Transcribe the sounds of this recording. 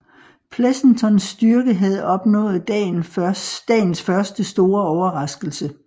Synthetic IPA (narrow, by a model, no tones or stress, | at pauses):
pʰlesn̩t͡sʰɒ̽nsd̥yɐɡ̥əɦæð̞̩ˠɒ̽b̥nɔ̰̽ːð̞̩ˠd̥ɛnd̥ɛ̰ːn̩sfɶɐsd̥əsd̥o̝ːɐɒʊɐʁɑ̈sɡ̥l̩sə